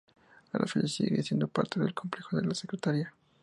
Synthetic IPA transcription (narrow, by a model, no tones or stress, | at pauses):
alʔa̰feʎasḭɣḛɾḭasje̞nd̪opaɾt̪eðelkʰo̞mple̞xoðe̞lasekɾet̪aɾia